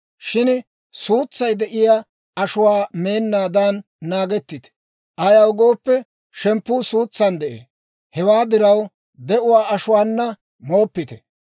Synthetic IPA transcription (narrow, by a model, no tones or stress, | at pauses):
ʃɪn | suːt͡sːɐjd̪ɛʔɪja | ɐʃʊwaːme̞ːnːaːd̪anː | aːɡɛt̪ːɪt̪ | ʔɐjɐwɡoːpːɛ | ʃɛmpːuːsuːt͡sːɐnd̪ɛʔḛː | hɛwaːd̪ɪɾɐw | d̪ɛʔʊwaːʔɐʃʊwaːnːɐ | moːpːɪt̪ɛ̥